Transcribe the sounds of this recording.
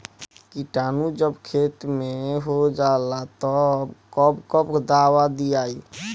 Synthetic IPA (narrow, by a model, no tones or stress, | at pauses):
kiʈaːnud͡ʒəbkʰeːt̪meɦod͡ʒaːlat̪ɔbkɔbkəpd̪aːwad̪iaːi